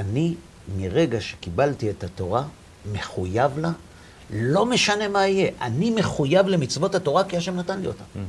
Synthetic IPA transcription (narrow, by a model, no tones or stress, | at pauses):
ani | miʁe̞ɡaʃe̥kibaltie̞tato̞ʁa | me̞χujavla | lo̞me̞ʃane̞maije̞ʔanime̞χujavle̞mit͡svo̞tato̞ʁakiaʃe̞mnatanliot̪am